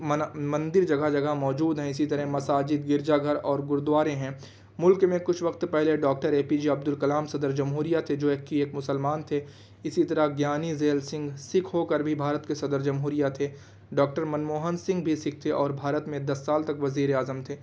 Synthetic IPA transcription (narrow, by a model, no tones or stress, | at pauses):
mɐ̃nd̪ɪɾd͡ʒɐɡad͡ʒɐɡaɦmɔːd͡ʒuːd̪ɦɛ̃ɪsit̪ɐɾəɦmɐsaːd͡ʒɪd̪ɡɪɾd͡ʒaɡʱɐɾɔːɾɡʊɾd̪waːɾẽɦɛ̃ː | mʊlkmẽkʊt͡ʃʰʋɐkt̪pɛɦleɖɔːkʈəɾeːpid͡ʒiɐbd̪ʊlkɐlaːmsɐd̪əɾd͡ʒɐmɦuːɾijat̪ʰed͡ʒoːeːkːieːkmʊsəlmaːnt̪ʰe | ɪsit̪ɐɾəɡjaːnizeːlsɪ̃ŋɡsɪkʰɦokəɾbʱibʱaːɾət̪kesɐd̪əɾd͡ʒɐmɦuːɾijat̪ʰeː | ɖɔːk̚ʈəɾmɐnmoːɦənsɪ̃ŋɡ̚bʱisɪk̚ʰt̪ʰeʔɔːɾbʱaːɾət̪mẽd̪ɐsːaːlt̪ɐkʋɐziːɾeaːzəmt̪ʰeː